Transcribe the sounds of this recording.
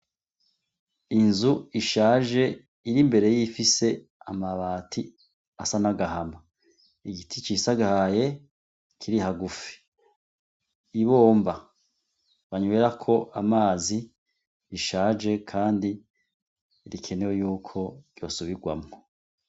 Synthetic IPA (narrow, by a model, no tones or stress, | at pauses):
inzuiʃaːʒe̞ | iɾimbe̞ɾe̞jifise̞ | a̰maβaːtʰi | asanaɡaɦama | iɡitʰit͡ʃiːsaɡahaje̞ | kʰiɾiɦaɡufi̥ | βo̞ːmba | βaɲuweɾakʰo̞ʔamaːzi | iʃaːʒe̞kʰaːndi | ɾikʰe̞ne̞wejuːkʰo̞ɟ̥jo̞̰ːsuβiɡwa̰mŋo